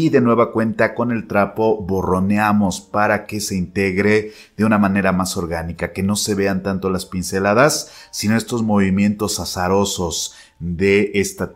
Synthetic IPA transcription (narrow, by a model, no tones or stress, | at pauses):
iðe̞nwe̞βakwe̞nt̪ako̞ne̞lt̪ɾapo̞βo̞ro̞neamo̞spaɾake̞se̞int̪e̞ɣɾe̞ | ðe̞unamane̞ɾamaso̞ɾɣanikake̞no̞se̞βe̞ant̪ant̪o̞laspinse̞laðasːino̞e̞st̪o̞zmo̞βimjẽ̞nt̪o̞sasaɾo̞so̞z | ðe̞ʔest̪a